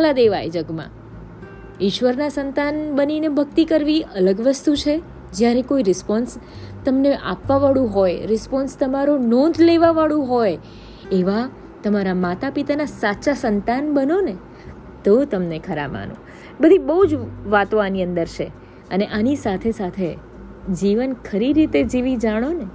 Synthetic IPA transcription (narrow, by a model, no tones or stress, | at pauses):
lad̪eʋa̰jd͡ʒəɡmã̰ | ɪʃʋəɾnasənt̪anbəninebʱəɡt̪ikəɾʋiələɡʋəst̪ut͡ʃʰe | d͡ʒjaɾekoiɾɪspɔnst̪əmneʔa̰pʋaʋaɭũɦojɾɪspɔnst̪əmaɾonɔ̃nd̪ʱleʋaʋaɭũɦoj | eʋa | t̪əmaɾamat̪apit̪anasaʃasənt̪anbənone | t̪ot̪əmnekʰəɾa̰ma̰nõ̰ | bəd̪ʱibəɦud͡ʒʋat̪õaniə̃nd̪əɾt͡ʃʰe | əneʔanisat̪ʰesat̪ʰe | d͡ʒiʋənkʰəɾiɾit̪ed͡ʒiʋid͡ʒaɽ̃one